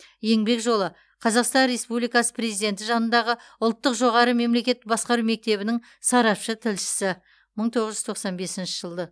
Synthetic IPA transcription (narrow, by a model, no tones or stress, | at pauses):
je̞ŋbe̞kʒo̞lˠə | qʰɑzɑqst̪ɑnre̞spublijkɑsə̥pʰre̞zijd̪e̞nt̪ɪʒɑnənd̪ɑʁə | ʊlˠt̪ːəqʒo̞ʁɑɾəme̞mle̞kʲe̞t̪bɑsqɑɾume̞k̚t̪e̞βɪnɪŋ | sɑɾɑpʃət̪ʰɪlʃɪ̥sɪ | məɴt̪ʰo̞ʁəʒʏzt̪ʰo̞qsɑnbe̞sɪnʃɪʒəlˠd̪ə